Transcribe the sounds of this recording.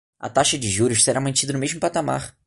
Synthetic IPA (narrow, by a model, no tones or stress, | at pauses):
ɐ̰t̪aʃɐd͡ʒɪʒuɾʊʃseɾamɐ̃nt͡ʃid̪ɐnʊmeʒmʊpat̪ama̰ɾ